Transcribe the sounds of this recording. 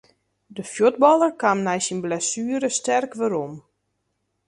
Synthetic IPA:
dəfjod̚bɔlˠərkamnɛjsinblɛsyːəɾəstɛrkʋəɾom

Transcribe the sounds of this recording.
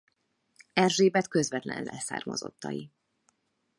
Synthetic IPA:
ɛrʒeːbɛt̪køzʋɛt̪lɛ̰nlɛsa̰ːrmɒzo̞t̪ːɒji

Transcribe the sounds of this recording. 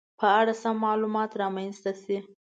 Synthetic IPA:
pəaɽasamːɑlumɑt̪ɾɑmajnst̪asi

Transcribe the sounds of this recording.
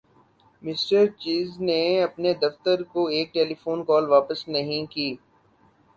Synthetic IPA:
mɪsʈəɾt͡ʃiːzneɐpned̪ɐft̪əɾkoeːk̚ʈeːlifoːnkɔːlʋaːpəsnɐɦĩkiː

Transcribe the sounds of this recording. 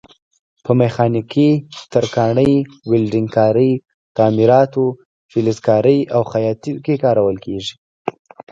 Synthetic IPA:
pəmexɑnikʰit̪aɾkɑɳəj | wɪlɾiŋkɑɾəj | t̪ɑmiɾɑt̪o | filɪzkɑɾəjawxajɑt̪ikekɑɾawəlkʰeʒi̥

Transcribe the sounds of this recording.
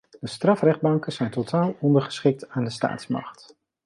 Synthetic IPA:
d̥əstrɑfrɛχd̚bɑŋkəzɛjntotʰaːlˠɔndərχə̥sχɪk̚taːndəsta̰ːtsmɑ̰χt

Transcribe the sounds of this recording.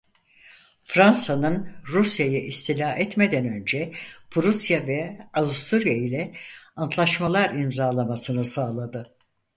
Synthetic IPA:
fɾansanɯnɾusjajɯʔist̪ʰilʲaːɛt̪me̞d̪ænø̞nd͡ʒɛpʰuɾusjavɛavust̪ʰuɾijailʲɛant̪ʰlˠaʃmalˠaɾimzaːlˠamasɯnɯsaːlˠad̪ɯ

